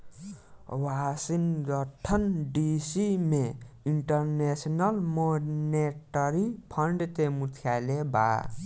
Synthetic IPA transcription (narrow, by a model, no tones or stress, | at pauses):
wasinɡʌʈʰːʌnɖisimeiɳʈʌɾnesnʌlmoneʈʌɾipʰʌɳɖt̪emut̪ʰjaleba̰